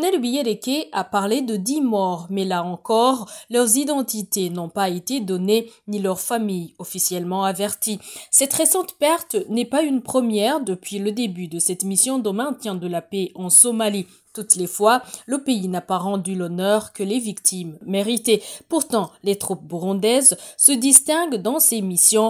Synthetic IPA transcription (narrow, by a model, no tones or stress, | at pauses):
nɛlbijed̪ekʲeapaʁled̪əd̪imɔʁmɛlaɑ̃kɔʁlœʁzid̪ɑ̃t̪it̪enɔ̃paet̪ed̪ɔnenilœʁfamijɔfisjɛlmɑ̃avɛʁt̪isɛt̪ʁesɑ̃t̪pɛʁt̪nɛpaynpχəmjɛʁd̪əpɥiləd̪ebyd̪əsɛt̪misjɔ̃d̪omɛ̃t̪jɛ̃d̪əlapeɑ̃sɔmali | t̪ut̪lefwaləpeinapaʁɑ̃d̪ylɔnœʁkəlevikt̪ʰimːeʁit̪epuʁt̪ɑ̃let̪χup̚buʁɔ̃d̪ɛzsəd̪ist̪ɛ̃ɡd̪ɑ̃semisjɔ̃